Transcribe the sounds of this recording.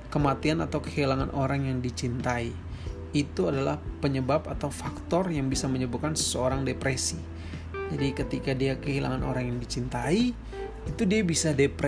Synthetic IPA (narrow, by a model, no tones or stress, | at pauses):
kəmat̪ianat̪awkə̥hilaŋanʔoɾaŋjaŋdit͡ʃint̪ai | it̪uadalahpəɲəbapat̪awfakt̪ɔrjaŋbisaməɲəbut̚kansə̥səoɾaŋdepɾesi | d͡ʒadikət̪ikadiakəɦilʔa̰ŋano̰ɾaŋjaŋdit͡ʃint̪ai | it̪udiabisadepɾe